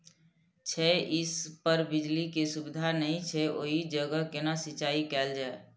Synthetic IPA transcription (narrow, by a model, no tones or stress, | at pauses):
t͡ʃʰɛʔɪspəɾbɪd͡ʒlikesubɪd̪ʱanəɦĩt͡ʃʰɛʔo̰ɦid͡ʒəɡəkenasɪt͡ʃaːikɛːld͡ʒaːe